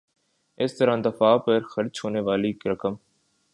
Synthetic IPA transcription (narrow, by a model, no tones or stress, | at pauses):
ɪst̪əɾãːd̪ɐfaːpəɾxɐɾd͡ʒɦoːneʋaːlikɾɐkəm